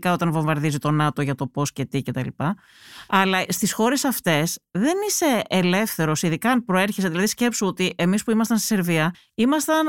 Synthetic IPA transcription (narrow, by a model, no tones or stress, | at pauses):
kɐo̞t̪ɐnvo̞ɱvɐɾðizit̪o̞nɐt̪o̞ʝɐt̪o̞po̞sce̞t̪ice̞t̪ɐlipɐ | ɐlɐst̪isxo̞ɾe̞sɐft̪e̞sðe̞nise̞ːle̞fθe̞ɾo̞siðikɐnpɾo̞e̞ɾçeseðilɐðisce̞psuot̪iʔe̞mispuimɐst̪ɐnsi̥se̞ɾviɐ | imɐst̪ɐn